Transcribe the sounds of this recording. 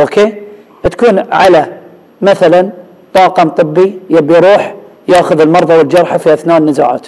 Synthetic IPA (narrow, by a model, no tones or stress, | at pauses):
ʔokeː | bt̪ḁkuːnʕa̰la | maθalan | t̪ˤɑːqɑnt̪ˤɨbːijabːijɾuːħ | jaːxʊðɪlmɑɾˤðˤɑwɪld͡ʒɑɾˤħafiʔaθnaːnːɪzaːʕa̰ːt̪